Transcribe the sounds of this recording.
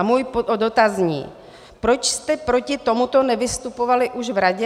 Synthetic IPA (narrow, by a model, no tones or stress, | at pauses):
muːjpoodot̪azɲḭː | pɾo̞t͡ʃst̪ɛpɾo̞cɪt̪o̞mut̪o̞nɛvɪst̪upo̞valɪʔuʃvɾaɟɛ